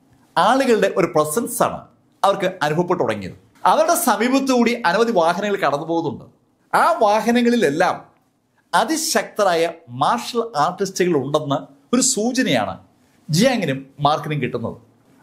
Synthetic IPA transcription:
aːɭuɣɐɭɨɽe̞ʔo̞ɾuprɐsɐnsa̰ːɳɨ̰ | ɐʋɐrkɨɐnubʱɐʋɐpːeʈːuɽɐ̰ŋːḭjɐð | ɐʋɐɾuɽe̞sɐmiːbɐt̪ːɨkuːɽiʔɐnumɐðiʋaːɦɐnɐŋːɐɭkɐɽɐnːupo̞ːɣɐðuɳɖɨ | aːʋaːɦɐnɐŋːɐɭile̞lːaːm | ɐðiɕɐk̚t̪ɐɾaːjɐmaːrʂɐlaːrʈːistiɣɐɭuɳɖenːɐ | o̞ɾusuːt͡ɕɐnɐja̰ːɳɨ̰ | d͡ʑijaːŋːɐnumːaːrkniŋɡkiʈːunːɐ̰ðɨ̰

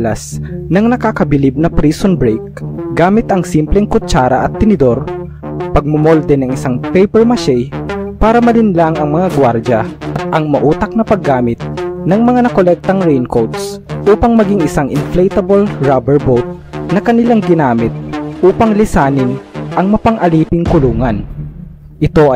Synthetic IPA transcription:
lɐsnɐŋnɐkakɐbɪlib̚nɐpɾiːsonbɾɛjk̚ɡaːmɪt̪ʔɐŋsimplɛŋkʊt͡ʃaːɾɐʔɐt̪ːɪnɪd̪o̞ɾ | pɐɡ̚mʊmold̪ɛnɐŋɪsaŋpɛjpɛɹmɐʃɛjpaːɾɐmɐlɪnlaŋɐŋmɐŋaɡwaɾd͡ʒɐʔɐt̪ʔɐŋmɐʔuːt̪ɐk̚nɐpɐɡːaːmɪt̪̚nɐŋmɐŋanɐkolɛk̚t̪ɐŋɹɛjnkowt̪sʔuːpɐŋmɐɡiŋʔɪsaŋʔɪnflɛjt̪ɐbolɹabɛɹbowt̪̚ | nɐkɐnɪlaŋɡɪnaːmɪt̪̚ʔuːpɐŋlɪsaːnɪnʔɐŋmɐpɐŋʔɐliːpɪŋkʊluːŋɐn | ʔɪt̪o̞ɐ

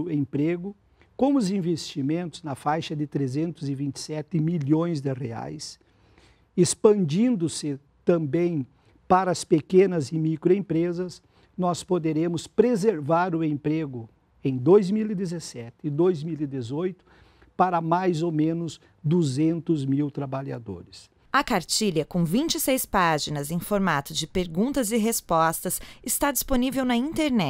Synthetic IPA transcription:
ẽmpɾeɡʊ | kõw̃ʊzĩvest͡ʃimẽnt̪ʊznɐfajʃɐd̪ɪt̪ɾezẽnt̪ʊzɪvĩnt͡ʃ̪ɪ̥sɛt̪ɪmiʎõj̃zd̪ɪrea̰js | espɐ̃nd͡ʒĩnd̪ʊsɪ | t̪ɐ̃bẽj̃ | paɾɐɐspekẽnɐzɪmikɾʊẽmpɾezɐs | nɔspod̪eɾẽmʊspɾezeɾvaɾʊẽmpɾeɡʊ | ẽj̃d̪ojzmilid̪ezesɛt̪ɪːd̪ojzmilid̪ezojt̪ʊ̥ | paɾɐmajzomẽnʊz | d̪uzẽnt̪ʊzmiwt̪ɾabaʎa̰d̪o̰ɾɪs | ɐkaɾt͡ʃiʎɐkõvĩnt͡ʃɪsejspaʒinɐzẽj̃foɾmat̪ʊd͡ʒɪpeɾɡũnt̪ɐzɪɦespɔst̪ɐsɪst̪ad͡ʒisponivewnɐĩnt̪eɾnɛ

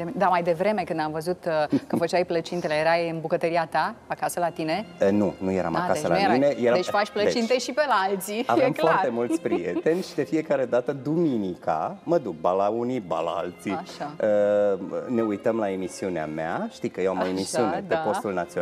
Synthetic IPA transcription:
d̪amajd̪e̞vɾe̞me̞kɨnd̪amvəzut̪kəfət͡ʃajplət͡ʃint̪elejeɾajɨnbukət̪əɾiat̪aakasəlat̪ine̞ənunuje̞ɾa̰ma̰kasəlamine̞jeɾad̪efaʃʲplət͡ʃint̪eʃipelaalt̪siavemfoart̪e̞mult̪sʲpɾijḛt̪e̞nʲʃid̪e̞fie̞kaɾe̞d̪at̪əd̪uminika̰məd̪uk̚balauniba̰la̰a̰lt̪siaəəne̞ujt̪əmlae̞misiunea̰meaʃt̪ikəjewamoemisiunepepo̞t̪ulnat̪sio

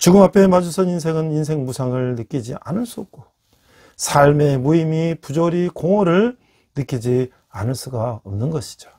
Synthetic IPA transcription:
t͡ɕuɡɯmɦapʰe̞mad͡ʑusʰɯninsʰe̞ŋɯninsʰe̞ŋmusʰaŋɯɭnɯk͈id͡ʑiʔa̰nɯɭs͈uʌp̚k͈o | sʰaɭme̞muimipud͡ʑoɾikoŋʌɾɯɭ | nɯk͈id͡ʑi | anɯɭs͈uɡaʌmnɯnɡʌɕʰi̥d͡ʑo̥

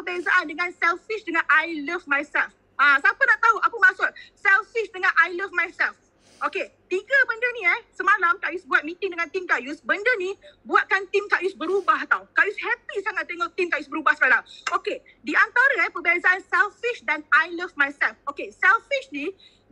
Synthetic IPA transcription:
pəbɛzaʔandəŋãnsɛlfiʃdəŋãnʔajləvmajsɛlf | ãsapənaʔt̪aɦuʔapəmãsʊt̚sɛlfiʃdəŋãnʔajləvmajsɛlf | ʔoket̪iɡəbəndənĩɛhsəmalamkaʔjusbuat̪̚mĩt̪ɪŋdəŋãnt̪imkaʔjusbəndənĩbuat̪̚kant̪imkaʔjusbəɾubaht̪awkaʔjushɛpisaŋat̪ːeŋɔʔt̪imkaʔjusbəɾubahsəkalaŋoke | diʔant̪aɾəɛpəbɛzaʔansɛlfiʃdanajləvmajsɛlfokesɛlfiʃni

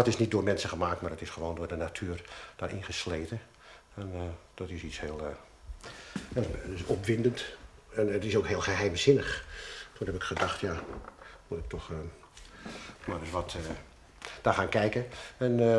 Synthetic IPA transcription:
ɔtɪsnit̚doːmɛnsəχəmaːk̚tmaːɹdɔtɪsχəʋoːndʊːrdənatʰyːrd̥aːrʔɪ̰nχəsleːtə | ɛnd̥ɔtɪsitshɪːəlˠ | sɔpʋɪndəntɛnətɪsoːkɦɪːlˠχəɦɛjmzɪnəxtunɦɛpɪkχədɑxtja | mutɪk̚tʰɔx | marɪsʋɔt | d̥aːχaːnkɛjkəɛn

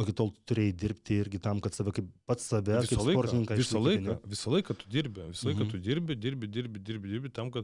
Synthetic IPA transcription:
okʲɪt̪oːlˠt̪ʊɾʲeːjɪd̪ʲɪɾʲpʲt̪ʲɪɪɾʲɡʲɪt̪ɐmkɐt̪sɐʋʲɛkɐɪppɐt̪ssɐʋʲɛkʲɪkɐɪpslˠɐpoːrt̪ɪnʲɪŋkɐʋʲɪɪsʲɐlˠɐɪɪnʲɛʋʲɪsɐlˠɐɪkɐt̪ʊ̥d̪ʲɪɾʲbʲɪʋʲɪsɐlˠɐɪkɐt̪ʊd̪ʲɪɾʲbʲɪd̪ʲɪɾʲbʲɪd̪ʲɪɾʲbʲɪd̪ʲɪɾʲbʲɪd̪ʲɪɾʲbʲɪt̪ɐmkɐt̪

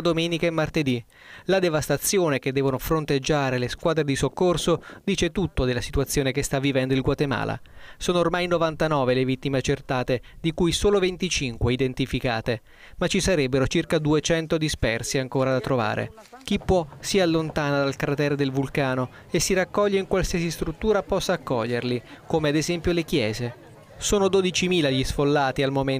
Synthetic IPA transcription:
d̪omɛːnikaemːart̪ed̪i | lad̪evast̪at̪sːjoːnek̟ed̪ːɛːvonofɾont̪ed͡ʒːaːɾeleskwaːd̪ɾed̪isokːorsod̪iːt͡ʃet̪ut̪ːod̪elːasit̪uwat̪sːjoːnekest̪avːivɛnd̪oilɡwat̪ema̰ːla̰soːnoːrmajnovant̪anɔːvelevit̪ːimeat͡ʃert̪aːt̪ed̪ikujsoːlovent̪it͡ʃiŋkweid̪ent̪ifika̰ːt̪e | mat͡ʃːisaɾɛbːeɾot͡ʃirkad̪uet͡ʃɛnt̪od̪ispɛrsiaŋkoːɾad̪at̪ːɾova̰ːɾʔḛ | k̟ipːwɔsialːont̪aːnad̪alkɾat̪ɛːɾed̪elvulkaːno | esːiɾakːɔʎːeiŋkwalsiasist̪ɾut̪ːuːɾapɔsːaːkːɔʎːerlikoːmead̪ezɛmpjolek̟jɛːze | soːnod̪od̪it͡ʃimiːlaʎisfolːaːt̪ialmomen

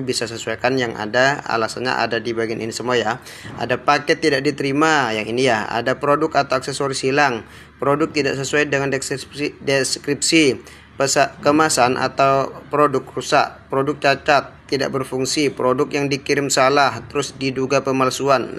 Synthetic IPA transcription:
bisasəsuakanjaŋʔa̰daa̰lasanɲa̰ʔa̰dadibaɡianinisəmuaja | a̰dapakɛt̪ːidaʔ̚dit̪əɾimajaŋinijaa̰dapɾodʊkat̪awaksesoɾisilaŋ | pɾodʊk̚t̪idaʔs̬əsuajdəŋandɛsdeskɾip̚si | pəsaʔkəmasanʔa̰t̪awpɾodʊk̚rusa̰ʔpɾodʊk̚t͡ʃat͡ʃat̪ːida̰ʔbərfuŋsipɾodʊk̚jaŋdikiɾɪmsalaht̪əɾʊsdiduɡapəmalsuan

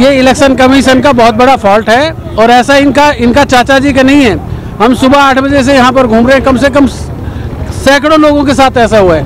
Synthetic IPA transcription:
jeɪlɛkʃənkɐmiʃənkabɔɦʊt̪̚bɐɽapʰɔːlʈɦɛ | ɔːɾɛːsaɪnkaɪnkat͡ʃaːt͡ʃad͡ʒik̬anɐɦĩɦɛː | ɦɐmsʊbʱaaːʈʰbɐd͡ʒes̬ejɐɦãp̬ɐɾɡʱũːmɾeɦɛ̃kɐmsekɐm | sɛːkɽõloːɡõkesaːt̪ʰɛːsaɦuaɦɛː

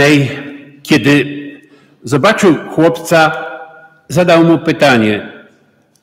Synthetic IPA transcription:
ɛjkʲɛd̪ɘ | zɔbat͡ʂɘwxwɔpt̪sa | zad̪awmupɘt̪aɲɛ

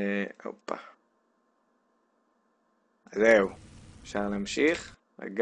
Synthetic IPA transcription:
o̰pːa̰ | azewefʃaʁleamʃiχ | la̰ɡ

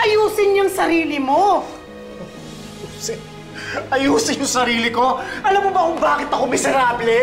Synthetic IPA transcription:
ʔɐjuːsɪnjʊŋsɐɾiːlɪmo̞ | ɐɐjuːsɪ | ʔɐjuːsɪɲjʊŋsɐɾiːlɪko̞ʔɐlɐmːobɐkʊŋbaːkɪt̪ɐkomɪsɛɾaːblɛ

